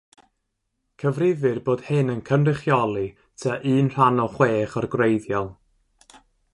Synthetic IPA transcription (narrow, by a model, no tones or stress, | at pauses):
kʰəvrɪvɨrboːd̥hɨnənkʰənrɪχjɔlˠi | tʰaʔɨːnr̥anɔlˠχweːχɔrɡrejðjɔlˠ